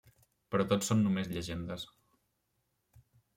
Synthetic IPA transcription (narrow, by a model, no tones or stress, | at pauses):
pəɾɔt̪ot͡ssːonːumezʎəʒend̪əs